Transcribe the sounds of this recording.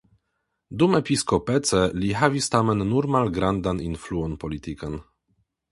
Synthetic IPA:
d̪umɛpʲiskɔpɛt̪sɛliɦavʲist̪amɛnːuɾmalɡɾand̪aninfluɔnpɔlʲit̪ikan

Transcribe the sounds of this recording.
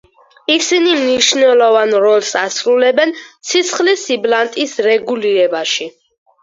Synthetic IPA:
isinimniʃnɛlˠɔvanɾɔlˠsasɾulɛbɛnt̪sʰit̪sʰχlisiblant̪ʼisɾɛɡuliɾɛbaʃi

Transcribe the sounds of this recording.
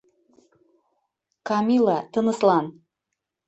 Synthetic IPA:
kɑmilˠɑt̪ɤ̆nə̆slɑn

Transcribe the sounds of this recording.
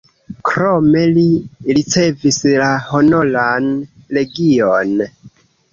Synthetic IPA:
kɾo̞me̞liɾit͡se̞vislaho̞nolan | le̞ɡion

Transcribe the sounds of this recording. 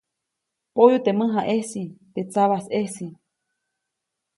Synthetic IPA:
pojut̪emɨ̃ɦaʔesit̪et͡saβasesi

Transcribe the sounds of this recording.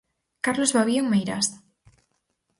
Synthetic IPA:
kaɾlozβaβjoŋmejɾa̰st̪ḁ

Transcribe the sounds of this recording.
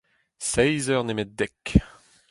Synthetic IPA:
sɛjzœʁnemɛt̪̚d̪ɛk

